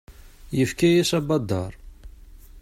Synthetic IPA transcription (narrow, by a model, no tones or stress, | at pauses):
jəfkæjæsɑbɑd̪ːɑ̰ɾˤ